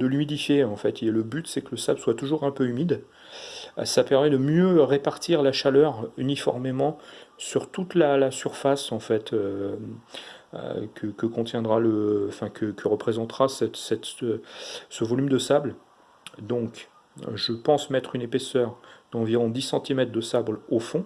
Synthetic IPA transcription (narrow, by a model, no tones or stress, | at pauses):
d̪əlymid̪ifjeɑ̃fɛt̪ilɛləbyt̪sɛkələsablswat̪uʒuʁɛ̃pøymid̪ | sapɛʁmɛd̪əmjøʁepaʁt̪iʁlaʃalœʁynifɔ̰ʁmemɑ̃syʁt̪ut̪lalasyʁfasɑ̃fɛt̪ʰø | kʰəkəkɔ̃t̪jɛ̃d̪ʁaləɑ̃fɛ̃kʰəkʰəʁəpχezɑ̃t̪ʁasɛt̪sɛt̪ | səvɔlymd̪əsabl | d̪ɔ̃k | ʒəpɑ̃smɛt̪χynepesœʁd̪ɑ̃viʁɔ̃d̪isɑ̃t̪imɛt̪χd̪əsablofɔ̃